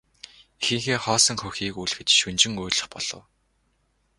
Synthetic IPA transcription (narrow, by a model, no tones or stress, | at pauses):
ixɘ̆ŋxeːχɔːsə̆ŋxɵxʲiːkujɮxɘ̆t͡ɕʃɵnt͡ɕɪ̆ŋuːɮə̆χpɔɮ̥ɞ̰̆w